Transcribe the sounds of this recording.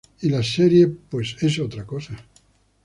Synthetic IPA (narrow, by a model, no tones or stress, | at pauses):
ilaseɾjepwesesot̪ɾakosa